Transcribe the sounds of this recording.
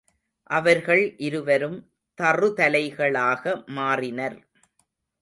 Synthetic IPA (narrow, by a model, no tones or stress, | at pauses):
ʔɐʋɐɾɣɐɭʔɪɾɯʋɐɾɯm | t̪ɐrɯt̪ɐlɐɪɣɐɭaːɣɐmaːrɪnɐɾ